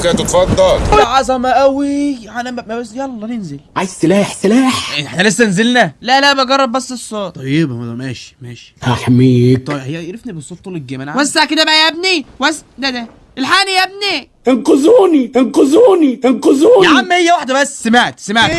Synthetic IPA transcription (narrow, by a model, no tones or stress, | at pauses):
kæt̪et̪fɑd̪ˤːɑlʕɑzˤɑmɑʔæwiʕænææmæwezjælˤːɑːnenzelʕajzselæːħselæːħħenælesːænzelnælæʔlæbæɡɑrˤːɑb̚bæsːesˤːoːt̪ˤːɑjːebmæd̪mæːʃi̥mæːʃi̥haħamiːkt̪ˤɑjhejːæɾefnibesˤoːt̪ˤːuːleɡæːmænʕwæsːaʕked̪æbæʔæjæb̚niwæsd̪æd̪æ | ʔelħaːnijæb̚nit̪enqozuːnit̪enqozuːnit̪enqozuːjʕamːæhejːæwaħd̪æbæsːsemaʕet̪semaʕt̪